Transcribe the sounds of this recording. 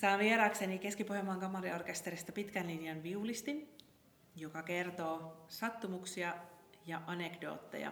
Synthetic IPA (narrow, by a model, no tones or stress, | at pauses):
sɑːnʋieɾɑːksenike̞skipohjemːɑŋkɑmɑɾio̞rke̞st̪e̞ɾist̪ɑpit̪kænlinjɑnʋiulist̪in | jokɑke̞rt̪o̞ːsɑt̪ːumuksiɑjɑʔɑne̞kdo̞̰ːt̪ːḛjɑ̰